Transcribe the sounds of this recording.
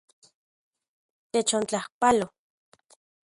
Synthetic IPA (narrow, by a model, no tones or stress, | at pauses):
t̪et͡ʃont͡ɬahpalo